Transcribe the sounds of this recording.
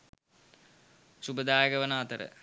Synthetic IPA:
subəd̪aːjəɡɐʋənaːt̪əɾə̰

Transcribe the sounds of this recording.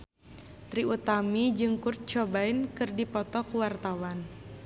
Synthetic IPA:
t̪ɾiut̪amid͡ʒɨŋkur̚t͡ʃɔbaɪnkɨrdipɔt̪ɔkuwart̪awan

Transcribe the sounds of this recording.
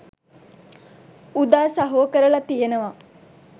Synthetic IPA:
ud̪aːsaɦoːkəɾəlat̪ijenəʋa

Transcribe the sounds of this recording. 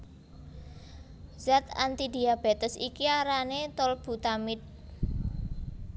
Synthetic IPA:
z̥at̪a̰nt̪id̪i̤ab̥et̪əsikiaɾanet̪ɔlb̥ṳt̪amɪt̪̚

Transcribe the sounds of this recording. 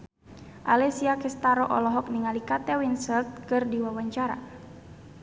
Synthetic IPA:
ʔalɛsiakɛst̪aɾɔʔɔlɔɦɔk̚niŋalikat̪ɛwinsɛlt̪̚kɨrdiwawaɲt͡ʃaɾa̰

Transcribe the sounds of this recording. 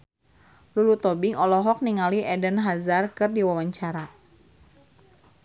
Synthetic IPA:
lulut̪ɔbiŋɔlɔɦɔk̚niŋaliʔɛdənɦazarkɨrdiwawaɲt͡ʃaɾa

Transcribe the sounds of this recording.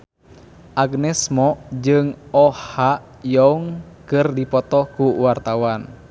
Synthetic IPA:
ʔaɡnɛsmɔd͡ʒɨŋɔha | jɔŋkɨrdipɔt̪ɔkuwart̪awan

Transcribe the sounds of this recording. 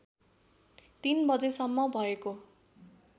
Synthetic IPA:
t̪inbʌd͡zesʌmːʌbʱʌeko

